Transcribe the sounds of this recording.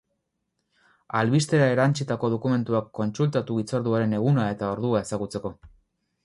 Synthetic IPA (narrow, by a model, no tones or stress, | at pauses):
alβist̪e̞ɾae̞ɾant͡sit̪ako̞ð̞o̞kume̞nt̪uakːo̞nsult̪at̪uɣit͡saɾðuaɾe̞ne̞ɣunae̞t̪ao̞ɾðuae̞saɣut͡se̞ko̞